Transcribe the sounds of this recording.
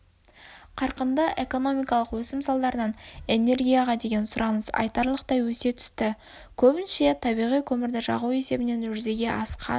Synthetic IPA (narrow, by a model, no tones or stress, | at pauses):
qʰɑɾqənd̪əʔe̞ko̞no̞mijkɑlˠəqwɵsɪmsɑlˠd̪ɑɾənɑne̞ne̞rɡʲijaʁɑd̪e̞ɡʲe̞nsʊɾʔɑnəsɑ̰jt̪ɑɾlˠəq̚t̪ɑjwɵse̞t̪ʰʏ̥st̪ɪ | kʲʰɵbɪnʃe̞t̪ʰɑbijʁijkʲʰɵmɪɾd̪ɪʒɑ̰ʁuwe̞se̞bɪne̞nʒʏɾze̞ɡʲe̞ʔɑsqʰɑ̰